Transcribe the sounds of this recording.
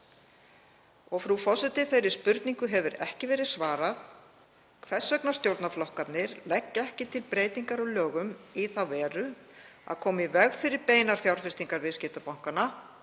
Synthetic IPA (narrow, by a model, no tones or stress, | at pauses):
ɔɣfɾufɔsɪt̪ɪθejɾɪspʏɾt̪niŋkʏɦɛvʏɾɛ̰hcɪvɛːɾɪðsvaːɾað | kʰvɛsːœknast̪jowɾt̪naflɔhkat̪nɪɾlɛcːɛhcɪt̪ʰɪlpɾeːjt̪iŋkaɾɔljœːɣʏmiθawvɛːɾʏ | a̰ðkʰɔːmivɛɣfɪɾɪɾpeːjnaɾ̥fjawɾ̥fɪst̪iŋkaɾvɪðscɪt̪apawŋ̥kana